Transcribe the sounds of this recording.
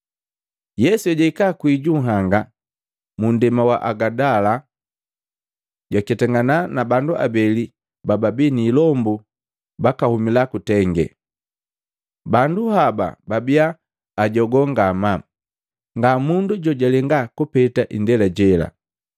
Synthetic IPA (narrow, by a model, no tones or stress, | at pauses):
jɛsuɛɟaikakwiɟuŋɦaŋɡa | mundɛmawa̰ʔaɡadala | ɟakɛtɛŋɡananabanduʔa̰bɛli | bababiniːlɔmbu | bakahumilakutɛŋɡɛ̰ | banduhaba̰babiaː | ɟɔɡɔŋɡama | ŋɡamunduɟɔɟalɛŋɡakupɛtaʔindɛlaɟɛla̰